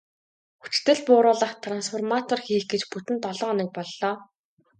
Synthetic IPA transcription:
xu̥t͡ɕ̆t̪ɘ̆ɮpʊːɾʊːɮə̆χt̪ʰransfɔrmat̪ɔrxiːxɡet͡ɕput̪ɘ̆nt̪ɔɮɔːnə̆k̚pɔɮːɔː

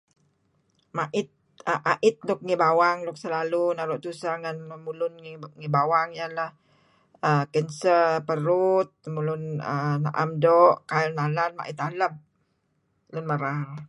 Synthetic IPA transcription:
maʔɪt̪̚ | əʔaʔɪt̪̚lʊk̚ŋibawaŋlʊk̚səlalunaɾɔʔt̪usaŋanmulʊnŋŋibawaŋjalah | əkɛnsəpəɾut̪̚mulʊnə̰na̰ʔa̰mdɔʔkaɛnalanma̰ʔɪt̪aləm̚ | lʊnməɾaɦa

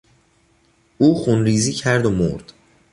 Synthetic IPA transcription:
uːxunɾiːziːcʰæɾd̪omo̰ɾd̪̥

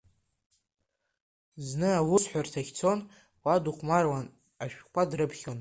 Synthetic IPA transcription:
znɨawʊsħʷartʰaχʲt͡sʰo̞n | waduχʷʼmarwan | aʃᶣkʷʰadrɨpʰχʲon

